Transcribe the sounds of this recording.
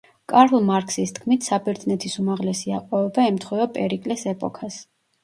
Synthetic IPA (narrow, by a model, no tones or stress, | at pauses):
kʼaɾlˠmaɾkʰsist̪ʰkʰmit̪ʰsabɛɾt̪nɛt̪ʰisumaʁlɛsiaqʼɔɛbaɛmt̪ʰχwiɔpʼɛɾikʼlɛsɛpʼɔkʰas